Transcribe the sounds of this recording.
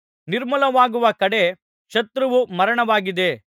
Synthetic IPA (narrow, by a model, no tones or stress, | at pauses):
niɾmɐlɐʋaːɡuʋɐkɐɽe̞ | ʃɐt̪ɾɐʋumɐɾɐɳɐʋaːɡid̪e̞